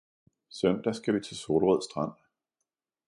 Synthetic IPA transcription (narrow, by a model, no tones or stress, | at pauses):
sœnd̥æsɡ̥æʋit͡sʰe̝soːlʁɛð̰ˠsd̥ʁɑn̰